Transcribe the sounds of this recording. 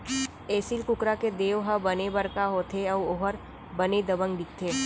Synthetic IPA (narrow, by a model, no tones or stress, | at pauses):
eːsilkʊkɾaked̪eːʋɦɐbɐnebɐɾkaɦoːt̪ʰeɔʋoɦəɾ | bɐned̪ɐbə̃ŋɡɖɪk̚ʰt̪ʰeː